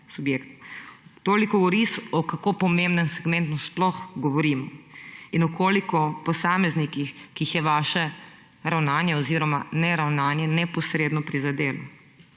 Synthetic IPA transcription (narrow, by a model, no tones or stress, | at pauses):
subjeːkt̪t̪oːlikɔoɾisɔkakoːpɔmẽmbnənsɛɡmɛnt̪nusplɔxɡɔʋɔɾiːmɔinɔkʰoːlikɔpɔsaːmɛznikixkiːxjɛʋaːʃɛ | ɾawnaːnjɛɔziːɾɔmanɛɾawnaːnjɛnɛpɔsɾeːd̪nɔpɾizad̪eːlɔ